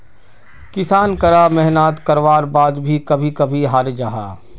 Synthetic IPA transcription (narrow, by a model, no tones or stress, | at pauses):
kɪsaːnkɐɾamɛɦnaːt̪kɐɾʋaːɾbaːd̪bʱikɐbʱikɐbʱiɦaːɾd͡ʒaːɦaː